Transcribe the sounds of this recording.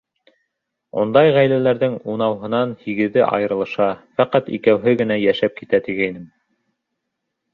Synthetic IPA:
ṵnd̪ɑjʁæjlælæɾðɘŋunɑwɦɤ̆nɑnhiɡɘ̆ðɘʔɑ̰jɤ̆ɾɤ̆lˠɤ̆ʃɑfæqɑt̪ḭkæwɦɘɡɘ̆næjæʃæp̚kit̪æt̪iɡæinɘm

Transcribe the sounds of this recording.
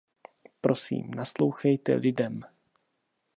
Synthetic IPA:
pɾo̞sḭːmnaslo̞wxɛjt̪ɛ̰lɪdɛm

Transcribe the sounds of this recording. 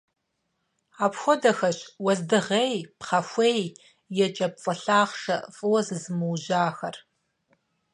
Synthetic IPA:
aːpxʷɔdɐxɐɕwɐzdɨʁejpχɐxʷeːj | jɛt͡ʃʼɐp̚t͡sʼɐɬaːχʂɐfʼɨwɐzɨzɨmɨwʒaːxɐr

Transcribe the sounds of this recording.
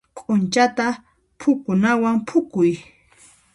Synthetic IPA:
kʼʊnt͡ʃat̪a | pʰʊkʊnawampʰʊkʊj

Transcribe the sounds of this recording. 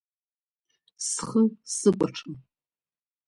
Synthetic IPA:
sχəsɨkʷʼaʈ͡ʂʰɨm

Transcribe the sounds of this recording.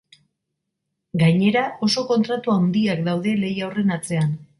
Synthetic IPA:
ɡajɲe̞ɾao̞so̞ko̞nt̪ɾat̪uawnd̪iakd̪awðe̞le̞jawre̞nat͡se̞an

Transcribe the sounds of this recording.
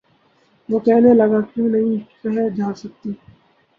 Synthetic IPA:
ʋoːkɛɦnelɐɡakjõːnɐɦĩkɐɦɛd͡ʒaːsɐk̚t̪iː

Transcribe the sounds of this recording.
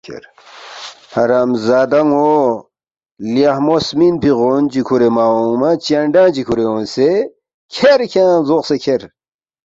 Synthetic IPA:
kʰḛɾ | hɐɾaːmzaːd̪ɐŋo | ljahmosminpiɣoːnd͡ʑikʰuɾemaːomat͡ɕaɳɖãːd͡ʑikʰuɾeõːnse | kʰeɾkʰãːzoqsekʰeɾ

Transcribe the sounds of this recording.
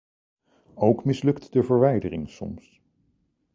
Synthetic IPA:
owkmɪslɵktdəvəɹʋɛjdərɪŋsɔ̰ms

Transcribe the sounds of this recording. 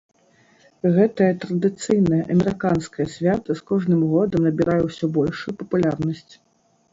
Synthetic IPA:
ɣɛt̪ɐjɐt̪ɾɐd̪ɨt̪sɨjnɐjɐʔɐmʲɛɾɨkanskɐjɐsʲvʲat̪ɐskɔʐnɨmɣɔd̪ɐmnɐbʲiɾajɛwsʲɔbɔlʲʂujupɐpulʲarnɐsʲt͡sʲ

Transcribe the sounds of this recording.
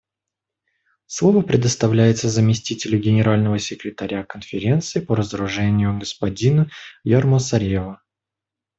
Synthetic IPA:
slˠo̞vəpɾʲɪd̪əst̪ɐvlʲæjɪt̪səzəmʲɪsʲtʲitʲɪlʲʊɡʲɪnʲɪɾalʲnəvəsʲɪkɾʲɪt̪ɐɾʲakənfʲɪɾʲe̞nt̪sɨɪpəɾəzəɾʊʐɛnʲɪjʊɡəspɐdʲinʊjarməsɐɾʲevə

